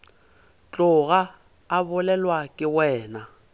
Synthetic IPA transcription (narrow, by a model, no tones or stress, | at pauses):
t͡ɬʼʊɣaː | bʊlɛlwakʼɪwɛːna